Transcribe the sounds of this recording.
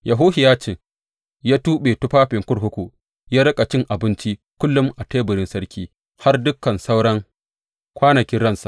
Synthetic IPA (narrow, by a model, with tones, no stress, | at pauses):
jʔɐ˨ɦʊː˦hɪ˨jaː˦t͡ʃɪ˨ŋ | jaː˦tuː˦ɓeː˨tʊ˦ɸaː˦ɸɪ˨ŋkʷʊ˦ɽɦʊ˦kʷu˨ | jaː˦ɽɐ˦kʼa˨t͡ʃɪ˦ŋʔa˨bɪ˦nt͡ʃi˦ | kʷʊ˦lːʊ˦mʔa˨teː˦bʊ˨ɾɪ˦nsɐ˦ɽkʲiː˦ | ha˦rdʊ˦kːɐ˨nsa˦wɽɐ˦ŋ | kʷaː˦nɐ˨kʲɪ˦nɽɐ˦nsa̰˨ʔ